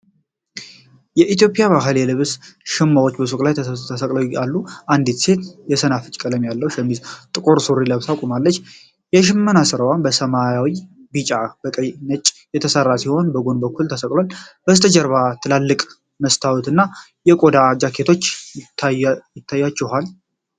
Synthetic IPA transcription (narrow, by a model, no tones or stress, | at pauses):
jɛʔit̪jo̞pʼjaβaɦəlelɨβsʃɪmːawo̞t͡ʃːbəsukʼlajt̪ʰət̪ʰːəsəkʼləwalːuʔand̪it̪se̞t̪jɛsənafɨt͡ʃʼkʼələmjalːəhwʃɛmizt̪ʼɨkʼo̞ɾsuɾiləβsakʼumalːət͡ʃː | jɛʃ̬ɪmːənasɨɾəwanbəsəmajawibit͡ʃʼab̥əkʼəjnət͡ʃʼjɛt̪ʰəsərːasiho̞nbəɡo̞nbəkʰʷːult̪ʰəsəkʼlwalb̥əst̪ʰəd͡ʒəɾβat̪ʰɨlalːɨkʼ | məst̪ʰawut̪ɨnːa | jɛkʼo̞d̪ad͡ʒakʰːe̞t̪ʰo̞t͡ʃːɪt̪ʰːajjɪt̪ʰːajːat͡ʃːɛɦal